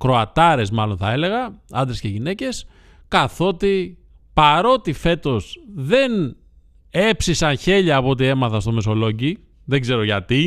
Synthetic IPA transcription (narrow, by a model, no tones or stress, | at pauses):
kɾo̞ɐt̪ɐɾe̞zmɐlo̞nθɐ̰e̞le̞ɣɐɐnd̪ɾesce̞ʝine̞ce̞s | kɐθo̞t̪i | pɐɾo̞t̪ife̞t̪o̞zðe̞n | e̞psisɐnçe̞ʎɐːpot̪ie̞mɐθɐst̪o̞me̞so̞lo̞ɟi | ðe̞ɡze̞ɾo̞ʝɐt̪i